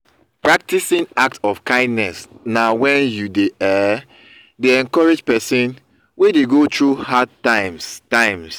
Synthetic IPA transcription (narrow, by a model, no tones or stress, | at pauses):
pɹak̚tisĩnak̚tɔfkãɪ̃ndnɛsnawɛ̃njudeʔɛ | deɛ̃nkɔɹed͡ʒpɛsĩn | wedeɡotɹuhadtãɪ̃mstãɪ̃ms